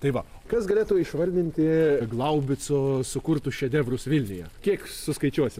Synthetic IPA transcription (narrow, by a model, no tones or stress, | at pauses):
t̪ɐɪʋɐ | kɐsɡɐlʲeːt̪ʊɪʃʋɐlʲd̪ʲɪnʲt̪ʲɪɡlˠɐʊbʲɪsʊsʊkʊrt̪ʊʃʲɛd̪ʲɛʋrʊsʋʲɪlʲnʲɪjɛkʲiɛksʊskɐɪt͡ʃʲuɔsʲɪm